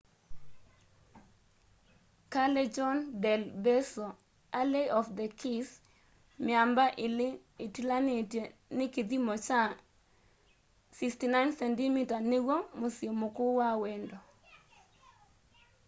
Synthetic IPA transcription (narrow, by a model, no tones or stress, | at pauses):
kalɛd͡ʒɔndɛlbɛso | aleʔɔfd̪ɛkʰis | mɪambaʔ | ɪtilannɪkid̪imɔt͡ʃa | sikstinajnsɛndimitanewomosiomokʊwawɛndo